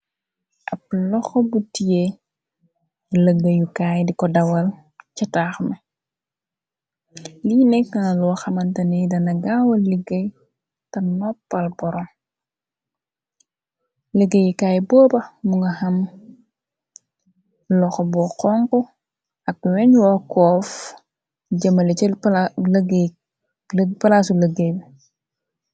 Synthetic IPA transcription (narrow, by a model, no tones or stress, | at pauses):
ʔɐp̚lɔxɔbutijɛ | ləɡɐjukaːjdikɔdɐwɐl | cɐtaːxmɐ | linɛkːɐnɐlɔwxɐmɐntɐnidɐnɐɡawɐliɡɐj | tɐnɔpːɐlbɔɾɔm | ləɡejikaːjbɔːbɐmuŋɡɐhɐm | lɔxobɔqɔŋku | ɐk̚wɛɲwɔkɔːf | ɟɐmɐlɛc | ɡ | pɐlasuləɡeb